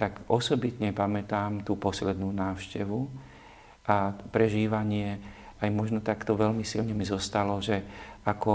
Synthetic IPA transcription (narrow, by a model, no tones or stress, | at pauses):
t̪akʔɔsɔbit̪ɲɛpamɛt̪aːmt̪uːpɔslɛd̪nuːnaːʊʃcɛʋu | ʔapɾɛʒiːʋaɲɪɛajmɔʒnɔt̪akt̪ɔʋɛʎmisilɲɛmizɔst̪alɔʒɛakɔ